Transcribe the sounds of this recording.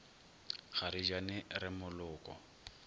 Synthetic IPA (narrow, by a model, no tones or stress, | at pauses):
ɣaɾid͡ʒanɪɾɪmʊlʊːkʼɔ̰